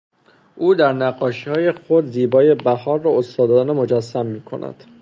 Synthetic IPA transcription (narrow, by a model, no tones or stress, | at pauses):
ʔuːd̪æɾnæɡːɒːʃihɒːje̞xo̞d̪ziːbɒːje̞bæhɒːɾːɒːost̪ɒːd̪ɒd̪ːnemo̞d͡ʒæsːæmːiːkʰo̞̰næ̰d̪̥